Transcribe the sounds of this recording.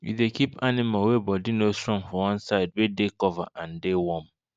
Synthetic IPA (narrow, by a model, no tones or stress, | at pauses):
jṵdekipanɪmalwebɔdinostɹɔ̃ŋfɔwɔ̃nsaɪd̚wedekɔva̰ʔãn̩dewɔ̃m